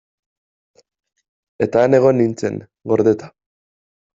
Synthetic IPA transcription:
e̞t̪aːne̞ɣ̞o̞nːint͡se̞̰ŋ | ɡo̞ɾðet̪ḁ

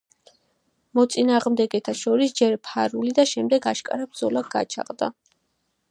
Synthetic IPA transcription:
mɔt̪sʼinaːʁmd̪ɛɡɛt̪ʰaʃɔɾisd͡ʒɛɾpʰaɾulid̪aʃɛmd̪ɛɡaʃkʼa̰ɾabɾd̪zɔlaɡa̰t͡ʃʰa̰qʼd̪a̰

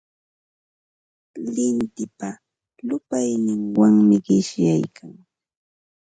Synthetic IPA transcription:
lɪnt̪ɪpa | lʊpajnɪŋwaŋmɪɢɪʃjajkʰaŋ

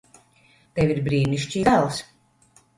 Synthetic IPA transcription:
t̪ɛwiɾbɾiːniʃt͡ʃiːd̪alˠs

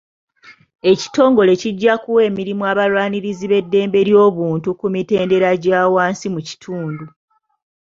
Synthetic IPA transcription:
e̞ci̥to̞ːŋɡo̞le̞ciɟːakuwe̞ːmiɾimuaβalwaːniɾiziβe̞dːe̞ːmbe̞ɾjo̞ːβuːntukumite̞ːnde̞ɾaɟaːwaːnsimuci̥tʰuːndu

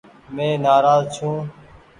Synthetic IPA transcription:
mẽːnaːɾaːzt͡ʃʰũː

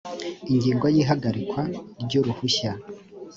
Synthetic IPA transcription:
iɲɟiːŋɡojiːɦaɡaɾikwaɾɟoɾuhuça

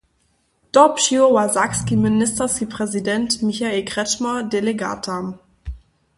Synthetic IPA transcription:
d̥ɔpʃiovazakskimɪnɪstɐsipʁ̥ɛzidɛntmiçaeːlkʁ̥ɛt͡ʃmɐdeleɡa̰tʰam

